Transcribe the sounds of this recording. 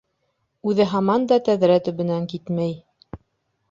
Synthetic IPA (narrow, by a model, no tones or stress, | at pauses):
ʉðɘɦɑmɑnd̪ɑt̪æðɾæt̪ɵ̆βɘ̆næŋkit̪mæj